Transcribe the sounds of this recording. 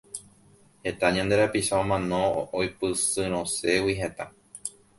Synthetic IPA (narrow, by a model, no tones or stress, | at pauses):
he̞t̪aɲãnd̪e̞ɾapiʃaõmãnõ̞ojpɨsɨɾ̃õse̞wiɦe̞t̪a